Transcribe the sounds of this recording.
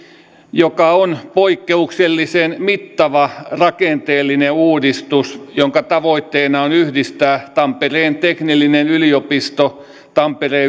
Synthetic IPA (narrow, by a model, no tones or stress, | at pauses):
jokɑonpoikːeukselːisenmit̪ːɑʋɑrɑkent̪eːlːineuːdist̪usjoŋkɑt̪ɑʋoit̪ːeːnɑonyhdist̪æːt̪ɑmpereːnt̪eknilːinenyliopist̪o | t̪ɑmpereː